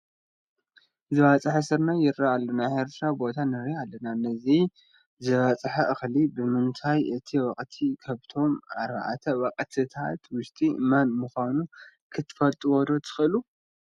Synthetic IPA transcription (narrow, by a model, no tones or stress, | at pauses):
zɨwat͡sʼɨħasɨɾnajɪɾːaalːɐnaʔeɾt̪ʰɾabo̞t̪ʰanɨɾialːɐnanɐzi | zɨβɐt͡sʼɨħaʔɨxlibɨmɨnt̪ʰajɨt̪ʰiwɐqʼt̪ʰikʰɐβt̪ʰo̞maɾba̰ʕa̰t̪ʰɐwɐqʼt̪ʰɨt̪ʰat̪wʊʃt̪ʼimɐnmɨxʷanu | kʰɨt̪ʰːɨ̥fɐlt̪ʼuwɔd̪o̞t̪ʰɨ̥xɨlu